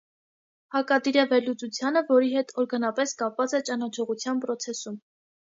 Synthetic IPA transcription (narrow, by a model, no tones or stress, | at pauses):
hɑkɑd̪iɾɑvɛɾlut͡sut͡sʰjɑnəvɔɾiɦɛt̪ʰɔɾɡɑnɑpɛskɑpvɑt͡sɛt͡ʃɑnɑt͡ʃʰɔʁut͡sʰjɑnpɾɔt͡sʰɛsum